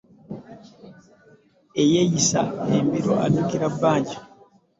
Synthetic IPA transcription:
e̞jejisa̰embiɾo̰a̰duːkiɾabːaːɲɟa

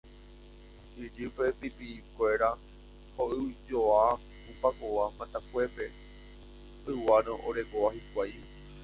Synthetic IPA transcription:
id͡ʒɨpe̞pipikʷe̞ɾa | hoʔɨd͡ʒoa | upakoamãt̪akʷe̞pe̞ | ɨwaɾõʔoɾe̞koʋahikʷaj

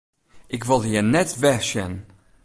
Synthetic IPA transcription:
ɪkvɔlˠhiənɛtvɛʃən

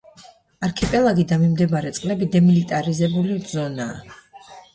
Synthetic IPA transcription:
aɾkʰɛpʼɛlˠaɡid̪amimd̪ɛmaɾɛt̪sʼqʼlɛbid̪ɛmilit̪ʼaɾizɛbulizɔnaː

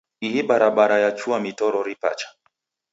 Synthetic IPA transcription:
iɦiɓaɾaɓaɾajat͡ʃuamitɔɾɔɾipa̰t͡ʃḁ

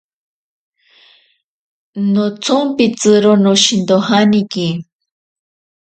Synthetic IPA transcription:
not͡sʊmpit͡sɨɾonoʃind̪ohaniki

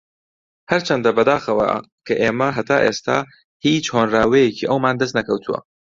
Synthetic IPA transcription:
hɐɾt͡ʃʰɐnd̪ɐbɐd̪aːxɐwɐ̰ | kʰɐʔeːmɐɦɐt̪ʰaːʔeːst̪ʰa̰ː | hiːt͡ʃhoːnraːwɛjeciːʔɐwmaːnd̪ɐs̬t̪nɐkɐwt̪ʰuwɐ̰

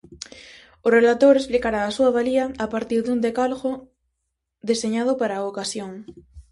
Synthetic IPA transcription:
ʊrelat̪oɾesplikaɾaːsuaβaliaːpaɾt̪iɾðund̪ekalɣo | ðeseɲað̞ʊpaɾaokasjoŋ

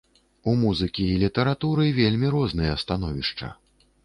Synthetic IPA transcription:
umuzɨkʲiːlʲit̪ɐɾat̪uɾɨvʲelʲmʲiɾɔznɨjɐst̪an̪ɔvʲiʂt͡ʂɐ̰

